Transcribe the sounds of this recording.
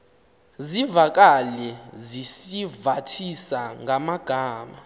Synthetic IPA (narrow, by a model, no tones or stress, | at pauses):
zivak̬ʼalɛzisivatʰisaŋʱamaɡ̥ʱaːma